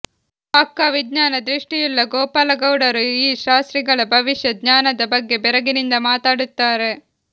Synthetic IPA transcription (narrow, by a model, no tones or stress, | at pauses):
ɐkːaʋid̪ɲaːnɐd̪ɾiʂʈijulːɐɡoːpaːlɐɡɐwɽɐɾuiːʃaːst̪ɾiɡɐɭɐbʱɐʋiʃjɐd̪ɲaːnɐd̪ɐbɐɡːe̞bɛɾɐɡinind̪ɐmaːt̪aːɽut̪ːaːɾe